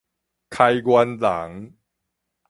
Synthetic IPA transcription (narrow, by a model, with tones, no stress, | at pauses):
kʰa˧jkwa˧nsa̰˩˦ŋ